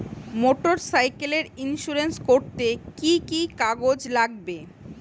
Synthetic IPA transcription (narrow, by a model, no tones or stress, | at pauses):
moʈoɾsajkeleɾinʃuɾenskoɾt̪ekikikaɡod͡ʑlaɡbe